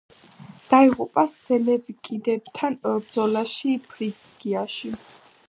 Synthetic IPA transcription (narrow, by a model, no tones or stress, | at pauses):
d̪̥aiʁupʼasɛnɛvikʼid̪ɛbt̪ʰanbd̪zɔlaʃipʰɾi | ɡ̥iaʃi